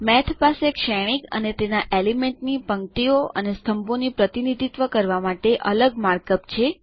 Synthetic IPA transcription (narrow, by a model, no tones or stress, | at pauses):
mɛt̪ʰpasekʃɛɽ̃ikə̰net̪enaʔelimeɳʈnipəŋʈioʔə̰nest̪ʰəmponipɾət̪inid̪ʱit̪ʋəkəɾʋamaʈeʔələɡmaɾkəpt͡ʃʰe